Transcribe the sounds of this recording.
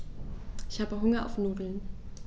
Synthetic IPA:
ʔɪçhaːbəɦʊŋɐa̰ʊfnoːdl̩n

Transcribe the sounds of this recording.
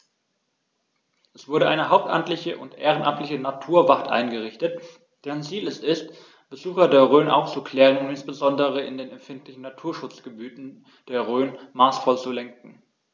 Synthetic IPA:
ʔɛsv̥ʊɐɾəʔaɪnəɦaʊp̚tʔa̰mtlɪçəʔʊntʔeːʁ̞ənʔamtlɪçənatʰuːɐvaʁtʔa̰ɪnɡəʁ̞ɪçtət | d̥ɛːʁənt͡siːlɛsɪst | b̥əzuːxɐdeːɐʁøːnʔa̰ʊft͡sukl̥ɛːʁ̞ənʊntɪnsb̥əzɔndəʁ̞əɪndeːnɛmfɪntlɪçn̩natʰuːɐʃʊt͡sɡ̥əbyːtn̩ | d̥eːɐʁøːnmaːsfɔlt͡sulɛŋkŋ̩

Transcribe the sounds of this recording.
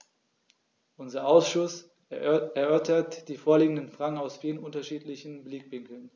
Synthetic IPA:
ʔʊnzɐʔaʊsʃʊs | ɛɐʔœɐtʰɐtd̥iːfoːɐliːɡŋ̩dənfʁ̥aŋaʊsfiːʁənʊntɐʃiːtlɪçn̩blɪkvɪŋkl̩n

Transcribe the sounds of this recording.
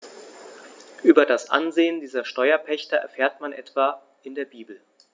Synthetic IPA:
ʔyːbɐdasʔa̰nzeːəndiːzɐʃtɔʏɐpʰɛçtɐɛ̰ɐfeːɐtmanʔɛtv̥aː | ʔɪndeːɐbiːbl̩

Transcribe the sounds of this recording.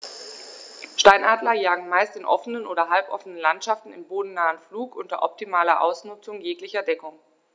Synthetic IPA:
ʃtaɪnʔaːdlɐjaːɡŋ̩maɪstɪnʔɔfənənʔoːɾɐɦalpʔɔ̰fənənlantʃaftn̩ɪmboːdn̩naːənfluːkʔʊntɐ̰ʔɔp̚timaːlɐʔa̰ʊsnʊt͡sʊŋjeːklɪçɐdɛkʊŋ

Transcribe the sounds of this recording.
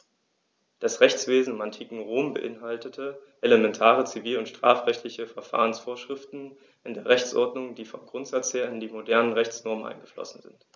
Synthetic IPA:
d̥asʁɛçt͡sv̥eːzn̩ɪmantʰiːkŋ̩ʁoːmbə̰ʔɪnɦaltətʰəʔeləmɛntʰaːʁ̞ət͡siviːlʊntʃtʁ̥a̰ːfʁɛçtlɪçəfɛɐfa̰ːʁ̞ənsfoːɐʃʁ̥ɪftn̩ | ʔɪndeːɐʁɛçt͡sʔɔ̰ɐdnʊŋdiːfɔmɡʁʊntz̥at͡sheːɐɪndiːmodɛɐnənʁɛçt͡snɔɐmənʔa̰ɪnɡəflɔ̰sn̩zɪ̰nt

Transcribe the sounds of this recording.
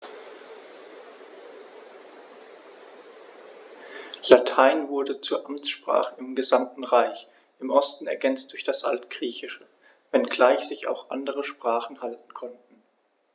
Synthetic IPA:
latʰaɪnvʊɐdət͡suːɐʔamt͡sʃpʁ̥a̰ːχəɪmɡəzamtn̩ʁaɪç | ʔɪmʔɔstn̩ɛ̰ɐɡɛnt͡std̥ʊɐçd̥asʔa̰ltɡ̥ʁiːçɪʃə | vɛnɡlaɪçz̥ɪça̰ʊxʔa̰ndəʁəʃpʁ̥aːχn̩haltn̩kʰɔntn̩

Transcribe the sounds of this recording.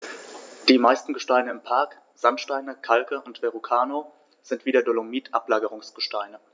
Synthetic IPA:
d̥iːmaɪstn̩ɡəʃtaɪnəɪmpʰaɐk | z̥antʃtaɪnəkʰalkəʔʊntv̥eʁukʰaːno | z̥ɪntv̥iːdɐdolomiːtʰʔa̰plaːɡəʁ̞ʊŋsɡ̥əʃtaɪnə

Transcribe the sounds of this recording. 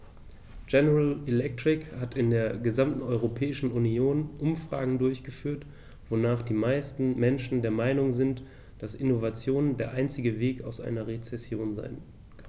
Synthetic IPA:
d͡ʒɛnəʁalɛlɛk̚tʁ̥ɪkhatʰɪndeːɐɡəzamtn̩ɔʏʁopʰɛːɪʃn̩unioːnʔʊmfʁ̥a̰ːɡŋ̩dʊɐçɡ̥əfyːɐt | v̥onaːχd̥iːmaɪstn̩mɛnʃn̩deːɐmaɪnʊŋzɪnt | d̥asʔɪnovat͡sjoːndeːɐʔaɪnt͡sɪɡəveːkaʊsʔa̰ɪnɐʁet͡sɛsjoːnza̰ɪn | kʰ

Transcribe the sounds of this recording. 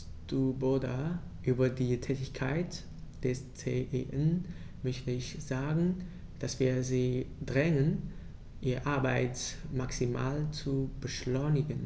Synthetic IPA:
s | d̥uːboda | ʔyːbɐdiːtʰɛːtɪçkʰaɪt | d̥ɛst͡seʔeʔɛn | mœçtəɪçz̥aːɡŋ̩ | d̥asv̥iːɐziːdʁɛŋən | ʔiːʁəʔaɐbaɪtmaksima̰ːlt͡subəʃlɔʏnɪɡən

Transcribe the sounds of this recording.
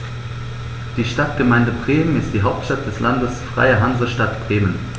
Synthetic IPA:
d̥iːʃtatɡ̥əmaɪndəbʁeːmənɪstd̥iːɦaʊp̚tʃtat̚d̥ɛslʔandəsfʁ̥a̰ɪɐɦanzɐʃtatb̥ʁeːmən

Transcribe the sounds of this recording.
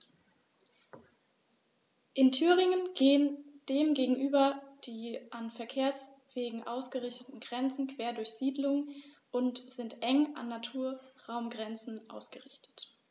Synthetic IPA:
ʔɪntʰyːʁɪŋənɡ̥eːənd̥eːmɡeːɡŋ̩ʔyːbɐd̥iːʔanfɛɐkʰeːɐs | v̥eːɪɡŋ̩ʔa̰ʊsɡ̥əʁɪçtətn̩ɡʁɛnt͡sn̩kʰv̥eːɐdʊɐçz̥iːdlʊŋ | ʔʊntz̥ɪntʔɛŋʔa̰nːatʰuːɐʁaʊmɡʁɛnt͡sn̩ʔa̰ʊsɡ̥əʁɪçtʰə̥t

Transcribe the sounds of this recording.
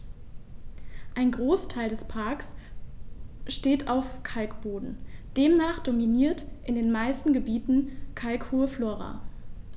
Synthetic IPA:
ʔaɪnɡʁoːstʰaɪldɛspʰaɐks | ʃteːtʰaʊfkʰalkb̥oːdn̩d̥eːmnaːχd̥ominiːɐtʔɪndeːnmaɪstn̩ɡəbiːtn̩kʰalkhuːəfloːʁa̰

